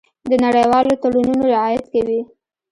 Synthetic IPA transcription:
d̪ənaɽəjwɑlot̪aɽununoɾɪʕɑjat̪kawi

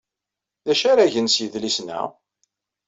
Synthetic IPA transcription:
ðæʃaɾæʝənsjəðlisnæ̰

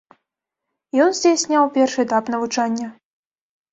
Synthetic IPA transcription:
jɔnzʲd͡zʲesʲnʲawpʲɛrʂɨɛt̪apnɐvut͡ʂanʲːɐ

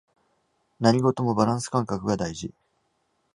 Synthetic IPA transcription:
naɲ̟ʲiɡo̞t̪o̞mo̞baɾãɰ̃sɨ̥kãŋkakɯ̟ɡad̪aiʑi

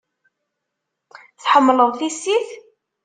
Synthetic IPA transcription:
θħəmːləðˤθisiθ

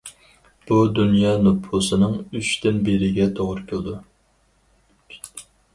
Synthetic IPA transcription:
b̥ud̪unjɑːnupʰusɨnɨŋyt͡ʃt̪ɪnbeɾɪɡʲɛt̪ʰoʁɾkʲʰølˠd̪u

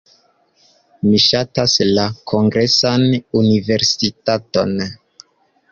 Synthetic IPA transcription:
miʃataslakʰo̞ŋɡɾe̞sanunive̞ɾsitato̞n

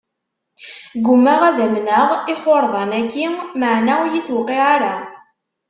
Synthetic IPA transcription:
ɡʊmːæʁæðæmnəʁɪχoɾˤðˤɑnækːimmaʕnæwjiθwqːiʕaɾa

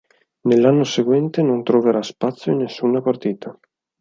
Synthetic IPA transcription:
nelːanːoseɡwɛnt̪enont̪ɾoveɾaspat̪sːjoinːesːuːnapart̪iːt̪ʰa

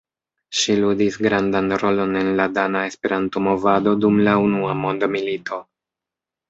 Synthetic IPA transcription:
ʃiludisɡɾandanɾo̞lo̞ne̞nladanae̞spe̞ɾanto̞mo̞vado̞dumlaunuamo̞ndomilito̞

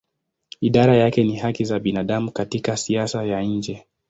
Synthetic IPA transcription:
iɗaɾajakɛnihakizaɓinaɗamukatikasiasajaɲ̩d͡ʒɛ

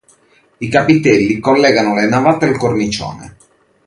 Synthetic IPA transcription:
ikapit̪ɛlːikolːɛːɡanolenavat̪ealkornit͡ʃɔ̰ːnḛ

